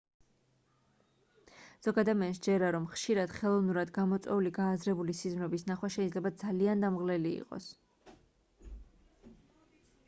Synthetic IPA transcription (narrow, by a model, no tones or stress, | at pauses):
z̥ɔɡad̪amɛnsd͡ʒɛɾaɾɔmχʃiɾad̪̥χɛlˠɔvnuɾad̪ɡamɔt̪sʼwɛ̰uliɡaːzɾɛbulisizmɾɛbisnaχwaʃɛid̪zlɛbad̪zaliand̪amʁlɛliḭqʼɔ̰s